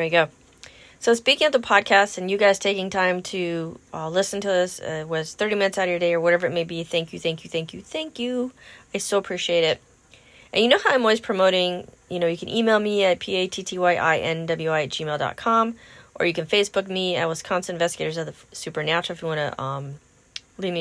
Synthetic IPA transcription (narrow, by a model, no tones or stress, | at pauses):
iɡoʊ | soʊspikɪ̃ŋətðəpʰɑd̚kʰæstɨ̃njɨɡaɪz̥tʰeɪkɪ̃ŋtʰãɪ̃mtʰɨʌlɪsn̩tʰɨɪswʌz̥θɜ˞ɾimɪ̃nɨt̪θsaʊɾjə˞deɪə˞wʌɾɛvə˞ɨt̚meɪbiθæ̃ŋkjɨθæ̃ŋkjɨθæ̃ŋkjɨθæ̃ŋkjʉaɪsoʊəpʰɹ̥iʃieɪɾɪt̚ | ʔɨ̃njɨnoʊhaʊaɪ̃mɔlˠwiz̥pʰɹ̥ɨmoʊɾɪ̃ŋ | jɨñoʊjɨkʰɨ̃nʔimeɪlˠmiɨt̚pʰieɪtʰitʰiwaɪʔa̰ɪʔɛ̃ndʌblˠjaɪ̥ʒ̥imeɪlˠdɑ̰t̚kʰɑ̃mʔə̰˞jɨkɨ̃nfeɪsb̥ʊk̚miɨt̚wʌz̥kʰɑ̃msɨ̃nɱvɛstɨɡeɪɾə˞zʌðəsʉpə˞næt͡ʃl̩ˠɪfjɨwɑ̃nɨ̰ʔʌ̃m | livmi